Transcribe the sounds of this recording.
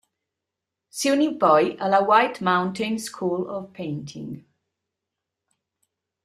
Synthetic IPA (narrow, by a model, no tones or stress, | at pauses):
sʉnibɔɪʔələwaɪtmãʊ̃ntʰɪ̃nskʰuːləv̥pʰẽɪ̃ntʰɪ̰̃ŋ